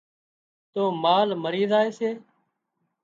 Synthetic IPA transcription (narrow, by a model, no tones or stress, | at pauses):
t̪oːmaːlməɾiːzaːeːseː